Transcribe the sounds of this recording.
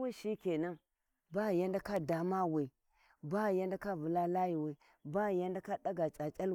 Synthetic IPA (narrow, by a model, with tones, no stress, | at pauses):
we˦ʃi˦ke˨na˦ | ba˦˨ja˦nda˦ka˦da˨ma˦we˨ | ba˦˨ja˦nda˦ka˦vu˨la˦la˦ji˨we˨ | ba˦˨ja˦nda˦ka˦ɗa˦ɡa˨t͡ʃʼa˨t͡ʃʼa˦l